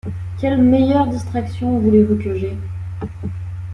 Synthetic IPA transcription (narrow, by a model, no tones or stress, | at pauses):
kʲɛlmejœʁd̪ist̪χaksjɔ̃vulevukəʒe